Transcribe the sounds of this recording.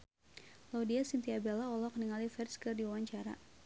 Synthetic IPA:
laudiasint̪iabɛlaɔlɔkniŋalifɛrskərdiwawaɲt͡ʃaɾa̰

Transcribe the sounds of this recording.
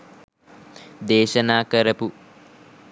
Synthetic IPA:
d̪eːʃɐnaːkɐɾɐpu

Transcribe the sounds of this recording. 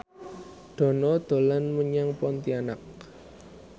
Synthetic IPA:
ɖ̪̥ɔ̤nɔd̪̥o̤lanməɲaŋpɔnt̪ianak̚

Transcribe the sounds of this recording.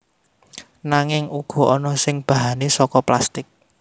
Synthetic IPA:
naŋɪŋuɡ̥ɔ̤ɔnɔsɪŋb̥a̤ɦanesɔkɔplast̪ɪk̚

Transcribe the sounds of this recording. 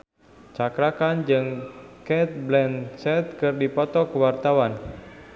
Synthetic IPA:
t͡ʃakɾakand͡ʒɨŋkɛt̪̚blɛnsɛt̪̚kɨrdipɔt̪ɔkəwart̪awan

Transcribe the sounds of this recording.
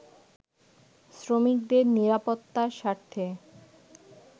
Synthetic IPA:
sɾomik̚d̪eɾniɾapot̪ːaʃaɾt̪ʰe

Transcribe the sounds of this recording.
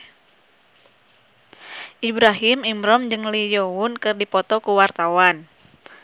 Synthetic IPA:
ʔibɾaɦimimɾɔmd͡ʒɨŋlijɔwunkɨrdipɔt̪ɔkuwart̪awan

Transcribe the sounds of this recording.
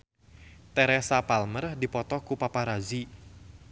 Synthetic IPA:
t̪ɛɾɛsapalmərdipɔt̪ɔkupapaɾazi

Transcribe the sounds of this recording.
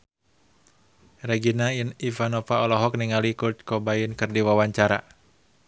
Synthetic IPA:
rɛɡinainivanɔfaɔlɔɦɔk̚niŋalikut̪̚kɔbainkɨrdiwawaɲt͡ʃaɾa̰

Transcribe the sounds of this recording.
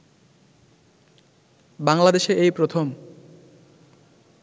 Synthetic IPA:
baŋlad̪eʃeʔejpɾot̪ʰom

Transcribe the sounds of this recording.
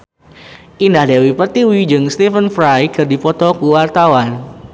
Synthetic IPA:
ʔindahdewipərt̪iwid͡ʒɨŋst̪ifənfɾajkʰɨrdifɔt̪ɔkuwart̪awan

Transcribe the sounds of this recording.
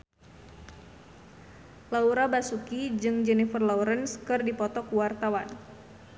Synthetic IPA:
lauɾabasukid͡ʒɨŋd͡ʒɛnifərlauɾənskɨrdipɔt̪ɔkuwart̪awan

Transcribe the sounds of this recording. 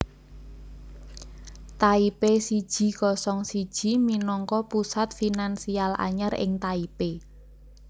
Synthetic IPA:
t̪aipesid̥ʒ̥i̤kɔsɔŋsid̥ʒ̥i̤minɔŋkɔpusat̪̚finansiala̰ɲərɪ̰ŋt̪aipe

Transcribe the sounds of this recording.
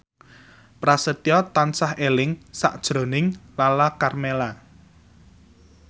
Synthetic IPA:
pɾasət̪jɔt̪ansahelɪŋsa̰ʔd̥ʒ̥ɾo̤nɪŋlalakarmela

